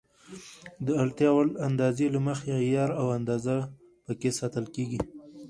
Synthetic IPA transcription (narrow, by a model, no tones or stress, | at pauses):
d̪əalt̪jɑwaland̪ɑzelaməxejɑɾawand̪ɑza | pəkesɑt̪əlkeɡi